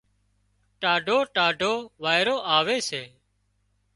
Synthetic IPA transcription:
ʈaːɖʱoːʈaːɖʱoːʋaːɪɾoːʔaːʋeːseː

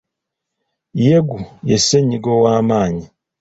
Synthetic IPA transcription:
jeɡujeseɲiɡowaːmaːɲi

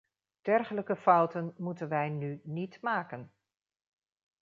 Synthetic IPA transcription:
d̥ɛrχələkəfɑwtənmutənʋɛjnynitmaːkən

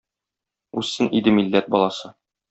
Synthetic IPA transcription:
ʉzːɘnid̪ɘmilːæt̪̚bɒlˠɑsɤ

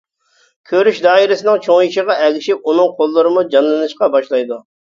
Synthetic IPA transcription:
kʲʰøɾyʃd̪ɑːiɾɪsɪnɪŋt͡ʃʰoŋjiʃɪʁɑɛɡʲɪʃip̚unɨŋqʰolˠːɨɾɨmud͡ʒɑnlˠɨnɨʃqɑbɑʃlˠɑjd̪u

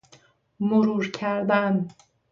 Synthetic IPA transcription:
moɾuːɾcʰæɾd̪æn

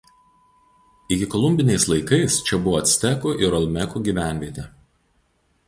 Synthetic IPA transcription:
ɪɡʲɪkɔlˠʊmʲbʲɪnʲɛɪslˠɐɪkɐɪst͡ʃʲɛbʊʋɔɐt̪ʲsʲt̪ʲɛkuʔɪɾɐlˠʲmʲɛkuɡʲiːˑʋʲæˑnʲʋʲiɛt̪ʲɛ

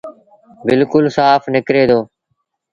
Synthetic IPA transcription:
bɪlkʊlsaːfʰnɪkɾeːd̪oː

